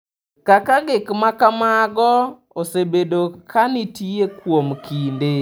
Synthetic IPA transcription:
kakaɡɪkmakamaɡɔ | osebedokʰanɪtiekwomkinde

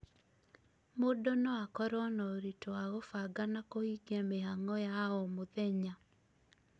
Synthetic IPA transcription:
modonɔakɔɾɔnɔɾitoaɣofaɡanakohiɡɛmehaŋɔjaɔmoðɛɲa

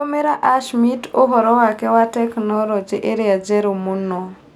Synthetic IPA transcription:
omeɾaʔaʃmitoɦɔɾɔwakɛwatɛknɔɾɔd͡ʒeʔeɾiad͡ʒɛɾumunɔ

